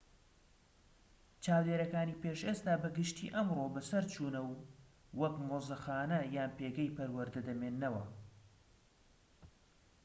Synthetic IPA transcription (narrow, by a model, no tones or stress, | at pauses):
t͡ʃaːwd̪eːɾɐkaːniːpeʃʔeːst̪aːbɐɡɨʃt̪ḭːʔɐmrobɐsɐɾt͡ʃʰuːnɐwwɐkmoːzɐxaːnɐjaːnpeːɡɛjpɐɾwɐɾd̪ɐd̪ɐmeːnːɐwɐ